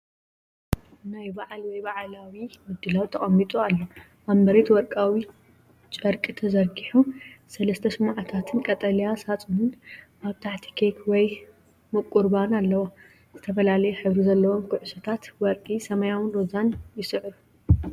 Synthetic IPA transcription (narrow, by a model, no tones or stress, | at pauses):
najbaʕlwɔjbaʕlawimɨd̪ːɨlawt̪ʰɐχʼɐmːit̪ʼualːo | ʔambɐɾet̪wɔɾkʼawi | t͡ʃʼɐɾkʼit̪ʰɐzɐɾɡiħusɐlɐst̪ʰɐsɨmʕat̪ʰat̪ʰɨnkʼɐt̪ʼɐlijasat͡sʼunɨnʔaβt̪ʰaħt̪ʰi̥kʰekʰwɔj | mɨkʼuɾbanalːɐwo | z̥ɨt̪ʰɐfɐlalɐjɛħɨβɾizɐlːɐwomkʰʊʕɨsɐt̪ʰat̪wɔɾkʼisɐmɐjawɨnɾozanjɪsɨʕɾu